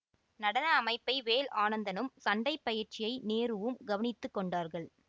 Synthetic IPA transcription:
nɐɽɐnɐːmɐɪpːɐɪʋeːlaːnɐnd̪ɐnɯmsɐɳɖɐɪpːɐjɪɾt͡ʃɪjɐɪneːɾɯʋɯmɡɐʋɐnɪt̪ːɯkːɔɳɖaːɾɣɐɭ

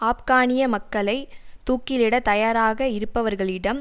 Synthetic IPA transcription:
aːpkaːɳɪjɐmɐkːɐɭɐɪt̪uːkːɪlɪɽɐt̪ɐjaːɾaːɣɐɪɾɯpːɐʋɐɾɣɐɭɪɽɐm

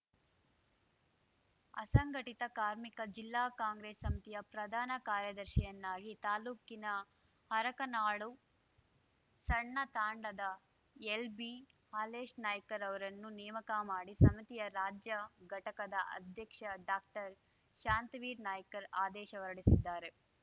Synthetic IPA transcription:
ɐ̰sɐŋɡʱɐʈit̪ɐkaːɾmikɐd͡ʒilːaːkaːŋɡɾeːsːɐmit̪ijɐpɾɐd̪ʱaːnɐkaːɾjɐd̪ɐɾʃɐjɐnːaːɡit̪aːluːkinɐ | hɐɾɐkɐnaːɭu | sɐɳːɐt̪aːɳɖɐd̪ɐ | elbihaːleːʃnaːjɐkɐɾɐʋɐɾɐnːunɛːmɐkɐmaːɽisɐmit̪ijɐɾaːd͡ʒjɐɡʱɐʈɐkɐd̪ɐʔɐ̰d̪ʱjɐkʂɐɖaːk̚ʈɐɾ | ʃaːnt̪ɐʋiːɾnaːjɐkɐɾaːd̪ɛːʃɐʋɐɾɐɽisid̪ːaːɾe̞

